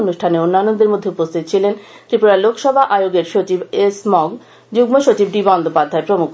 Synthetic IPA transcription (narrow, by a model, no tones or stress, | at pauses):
onuʃʈʰaneonːanːod̪eɾmod̪ʱːeupost̪ʰit̪t͡ɕʰilen | t̪ɾipuɾaelokʰʃɔbʱaʔajoɡeɾʃot͡ɕibesmɔɡ | d͡ʑuɡmoʃot͡ɕibɖibɔnd̪ʱopad̪ʱːaepɾomukʰ